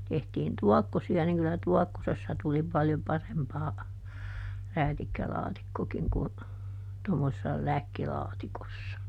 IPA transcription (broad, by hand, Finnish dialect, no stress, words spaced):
tehtiːn tuɔkːosiɑ niŋ kylæ tuɔkːosesːɑ tuli pɑljo pɑrempɑː ræːtikːælɑːtikːokiŋ ku tomːosesːɑ lækːilɑːtikosːɑ